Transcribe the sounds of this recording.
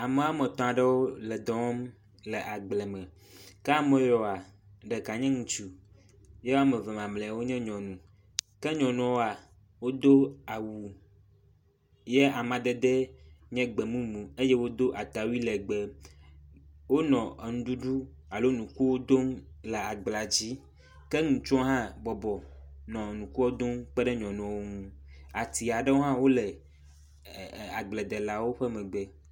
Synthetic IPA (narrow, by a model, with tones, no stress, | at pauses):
a˨me˨˦a˦mɛ̃˨t̪ɔ̃˨a˨ɖɛ˦wo˦lɛ˨d̪ɔ˨wɔ˦m | lɛ˨ʔa˨ɡ͡blɛ˨mɛ̃˨ | kɛ˦a˦mẽ˨jɔ˨a˨ | ɖɛ˨ka˨ɲɛ̃˦ŋũ˨t͡ʃu˨ | jɛ˦wa˦mɛ˨vɛ˨mã˨mlɛ̃˨wo˦ɲɛ̃˦ɲɔ̃˨nũ˨ | kɛ˦ɲɔ̃˨nɔ̃˨wo˦a˨ | wo˦d̪o˦a˨wu˨ | jɛ˦a˨mã˨d̪e˦d̪ɛ˦ɲɛ̃˦ɡ͡bɛ˨mũ˦mũ˨e˦je˦wo˦d̪o˦ʔa˨t̪a˨wi˦lɛ˨ɡ͡bɛ˨ | wo˦nɔ̃˨nũ˨ɖu˦ɖu˦ | a˨lo˦nũ˨ku˦wo˦d̪o˦ŋ | lɛ˨a˨ɡ͡bla˨d͡ʑi˦ | ke˦ŋũ˨t͡ʃɔ̃˦ɦã˦bɔ˨bɔ˨nɔ̃˨nũ˨ku˦wo˦d̪o˦ŋk͡pɛ˦ɖɛ˦ɲɔ̃˨nɔ̃˨wo˦ŋũ˦a˨t̪i˨a˨ɖɛ˦wo˦ɦã˦wo˦lɛ˨ | a˨ɡ͡blɛ˨d̪ɛ˨la˨wo˦ɸɛ˦mɛ̃˨ɡ͡bɛ˨